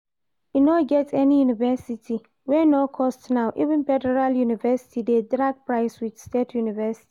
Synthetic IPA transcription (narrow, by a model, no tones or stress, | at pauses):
inɔɡɛtʰɛnijunivɛsitʰi | wɛnɔkʰɔstnãʊʔivɪ̃nfɛdɛɹaljunivɛsi̥tidedɹaɡ̚pɹaɪswid̥stetʰjunivɛsi̥ti